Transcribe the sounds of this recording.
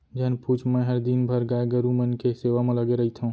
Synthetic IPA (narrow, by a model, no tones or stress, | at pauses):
d͡ʒɐɦnpuːt͡ʃʰmɛ̃ɦəɾd̪inbʱəɾɡaːɡəɾumənkeseːʋamẽləɡeɾɐɦit̪ʰəũ